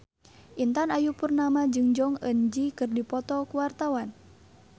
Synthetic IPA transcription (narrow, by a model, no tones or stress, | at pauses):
ʔint̪anajupurnamad͡ʒɨŋd͡ʒɔŋə̰nd͡ʒikɨrdipɔt̪ɔkuwart̪awan